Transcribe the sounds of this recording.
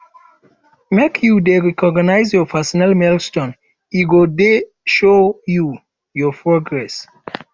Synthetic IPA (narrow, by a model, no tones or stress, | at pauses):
mekʰjudeɹɛkɔɡnaɪzjɔpʰɛsɔnalmɛlstɔ̃n | iɡode | ʃoju | jɔpʰɹɔɡɹɛs